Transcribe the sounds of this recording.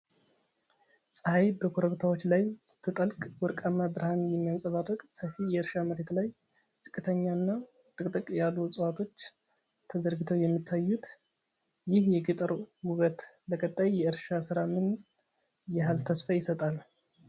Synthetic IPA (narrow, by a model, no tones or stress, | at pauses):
sʼəhajbəkʰoɾəβt̪ʰawo̞t͡ʃːlajsɨ̥t̪ʰːɨt̪ʼəlkʼwɔɾkʼamːabɾhanjɛmːijansʼəβarːəkʼsəfijɛɨɾʃaməɾet̪laj | zʼɨkʼːɨt̪ʰəɲːanːa | t̪ʼɨkʼt̪ʼɨkʼjalːusʼɨwat̪ʰo̞t͡ʃː | t̪ʰːəzəɾɡɨt̪ʰəwjɛmːit̪ʰːajːut̪ | jɪhjɛɡɨt̪ʼəɾwuɡət̪bəkʼət̪ʼːajjɛɨɾʃasɨɾamɨn | jɛɦalt̪ʰəsfajɪsət̪ʼal